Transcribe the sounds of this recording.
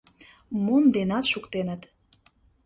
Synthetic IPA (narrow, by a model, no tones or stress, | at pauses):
mund̪enɑt̪ʃukt̪enət̪